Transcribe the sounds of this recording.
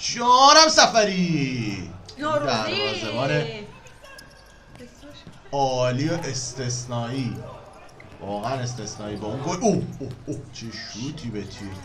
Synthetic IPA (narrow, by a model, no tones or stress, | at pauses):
d͡ʒɒɾæmsæfæɾi | d̪æɾɒːzemɒːne | ɒːliːeʔest̪ʰesnɒːiː | vɒːɣææne̞s̬t̪e̞snɒːiːbeunɡoʔohoot͡ʃʰeʃuːt̪ʰiːbet̪ʰi